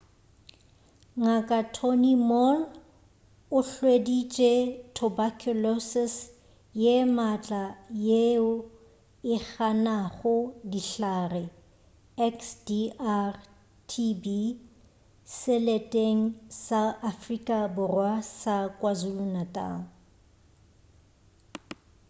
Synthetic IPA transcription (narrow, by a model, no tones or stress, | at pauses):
ŋakʼatʰonimɔn | ʊɬwedit͡ʃʼetʰɔbakʰulɔsɪs | jemat͡ɬʼajeʊ | ɪχanaχʊdiɬaːrɪ | ɛksdiar | tʰibi | sɪletʼeŋ̩saʔafrikʼabʊrwasakʼwazulunatʼa̰ːŋ̩